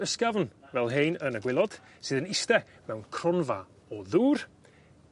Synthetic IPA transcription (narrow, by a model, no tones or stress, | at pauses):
əskavnvɛlˠɦejnənəɡwɪlˠɔd̥ | sɨːðənɪstɛ | mɛwnkʰrɔnva | ɔðuːr